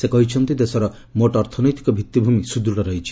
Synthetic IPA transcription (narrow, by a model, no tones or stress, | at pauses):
sekɔɦit͡ʃʰɔnt̪id̪esɔɾɔ | moʈɔɾt̪ʰɔnɔjt̪i̥kɔbʱit̪ːibʱumisud̪ɾuɽɔɾɔɦit͡ʃʰi̥